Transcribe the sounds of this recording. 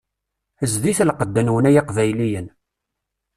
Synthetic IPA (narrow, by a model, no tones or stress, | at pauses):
əzðiθlqəd̪ːənwənæjɑqvæjlijən